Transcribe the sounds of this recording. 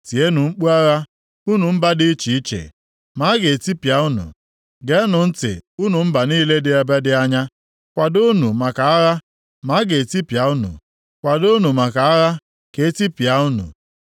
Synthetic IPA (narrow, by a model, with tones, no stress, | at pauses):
ti˨e˦nu˨ŋ͡m̩˦k͡pu˦a˦ɣa˦ | u˦nu˨m̩˦ba˦dɪ˦t͡ʃi˨i˦t͡ʃḛ˨ | ma˨˦ɡe˨e˨ti˦pja˨˦u˦nṵ˨ | ɡe˨˦nʊ˨n̩˦tɪ̰˨u˦nu˨m̩˦ba˨niː˦le˦dɪ˦a˨ba˦dɪ˦a˦ɲa˦ | kʷa˨dʊ˦nu˨ma˨ka˨a˦ɾa˦ | ma˨˦ɡe˨ti˦pja˨u˦nṵ˨ | kʷa˨dʊ˦nu˨ma˨ka˨a˦ɾa˦ | ke˨e˦ti˦pja˨˦u˦nṵ˨